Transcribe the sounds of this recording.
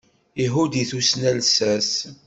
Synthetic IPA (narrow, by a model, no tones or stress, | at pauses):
iɦud̪iθusnælsæs